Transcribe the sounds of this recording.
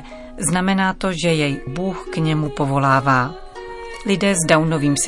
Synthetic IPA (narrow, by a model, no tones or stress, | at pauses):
znamɛnaːt̪o̞ʒɛjɛjbuːxkɲɛmupo̞vo̞laːvaː | lɪdɛːzdawno̞viːms